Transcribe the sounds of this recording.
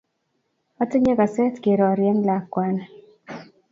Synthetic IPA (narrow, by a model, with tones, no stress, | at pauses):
ɔ˦tɪ˦ɲe˦ɡa˨sɛ˦t̪ɡe˨ɾɔ˨ɾjɛ˦ŋla˨kːwa˦n